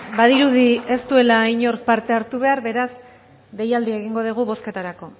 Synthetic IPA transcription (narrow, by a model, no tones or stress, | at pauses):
baðiɾuðie̞st̪ue̞laiɲo̞ɾk̚paɾt̪e̞aɾt̪uβ̞e̞aɾβe̞ɾaz | ɡe̞jald̪ie̞ɣiŋɡo̞ðiɣ̞uβo̞ske̞t̪aɾako̞